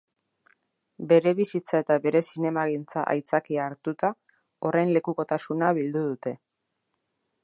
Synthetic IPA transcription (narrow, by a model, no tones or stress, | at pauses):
be̞ɾe̞βisit͡sae̞t̪aβe̞ɾe̞sine̞maɣint͡sa̰ʔa̰jt͡sakiaːɾt̪ut̪a | o̞rʔejnle̞kuko̞t̪asunaβild̪uðut̪e̞